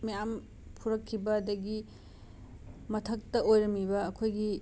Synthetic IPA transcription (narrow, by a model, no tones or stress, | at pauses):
mijam | pʰuɾɐkʰːibɐdɐɡi | mɐtʰɐk̚tɐojɾɐmibɐːkʰojɡi